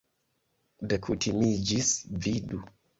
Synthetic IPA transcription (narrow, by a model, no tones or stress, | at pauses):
dəkʰutʰimid͡ʒisvidu